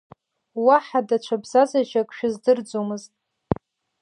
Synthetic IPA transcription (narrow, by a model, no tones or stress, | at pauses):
waħadat͡ʃʷʰabz̥azaʒakʷʰʼʃᶣʊzdɨrd͡zomɨztʼ